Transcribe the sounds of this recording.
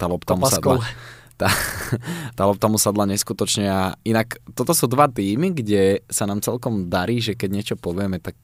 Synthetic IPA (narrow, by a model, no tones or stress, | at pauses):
t̪alɔpt̪amussada | t̪a | t̪alɔp̚t̪amusad̪laɲɛskut̪ɔt͡ʃɲɛainakt̪ɔt̪ɔsuːd̪ʋat̪iːmiɡɟɛsanaːmt͡sɛlkɔmd̪aɾiːʒɛkɛɟɲɪɛt͡ʃɔpɔʋɪɛmɛt̪ak̚